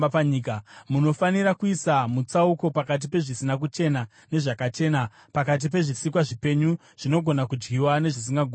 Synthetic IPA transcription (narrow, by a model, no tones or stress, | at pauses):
paɲiːkamuno̞faniɾakuisamut͡sauko̞pakat̬ipe̞ʐisinak̬ut͡ʃe̞na | ne̞ʐakat͡ʃe̞ːna | pakat̬ip̬e̞ʐisikwaʐipe̞ɲu | ʐ̥ino̞ɡʱo̞nakud͡ʒɡiwane̞ʐisiŋɡaɡʱu